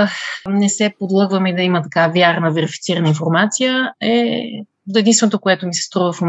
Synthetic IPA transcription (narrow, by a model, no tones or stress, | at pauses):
xnɛsɛpod̪lˠəɡvəmɛd̪ɐimət̪ɐkavjaɾnəvɛɾifit̪siɾənəinfoɾmat̪sijəɛ | ɛd̪inst̪vɛnot̪okoɛt̪omisɛ̥st̪ɾuvəfom